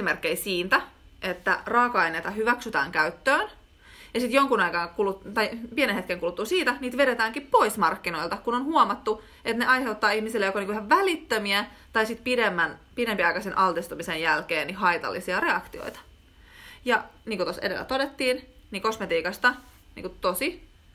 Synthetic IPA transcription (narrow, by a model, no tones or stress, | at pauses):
imerkːeisiːnt̪æ | ʔet̪ːæ̰rɑːkɑinet̪ɑɦyʋæksyt̪æ̰ːŋkæyt̪ːøːn | jɑsit̪joŋkunɑjkɑŋkulut̪ɑjpienenhet̚keŋkulut̪ːusiːt̪æniːt̪ʋeɾet̪æːŋkippo̞ismɑrkːino̞ilt̪ɑkunonhuɑmɑt̪ːu | et̪neʔɑjhe̞wt̪ːɑːihmisilːejokoniːŋkuihɑʋʋælit̪ːømiæ | t̪ɑjsit̪piɾemːænpinempiɑikɑsenʔɑlt̪ist̪umisejjælkeːnnihɦɑit̪ɑ̰lːisiɑre̞ɑkt̪io̰it̪ɑ̥ | jɑniːŋkut̪osedelːæ̰t̪odet̪ːiːnniko̞smet̪iːkɑst̪ɑ | nḭŋkut̪osi